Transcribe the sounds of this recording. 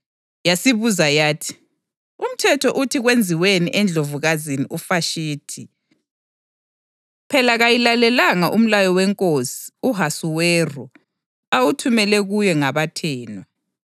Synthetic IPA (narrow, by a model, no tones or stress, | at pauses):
jasiβuzajaːtʰi̥ | um̩tʰɛtʰɔʔutʰiɣwend͡zʱiweniʔɛnd͡ɮʱovuɣaziniʔufaʃiːtʰi | pʰɛlaɣajilalɛlaŋaʔum̩lajɔwɛŋkʼosi̥uɦasuwɛrɔ | awutʰumɛlɛɣujɛŋaβatʰɛːna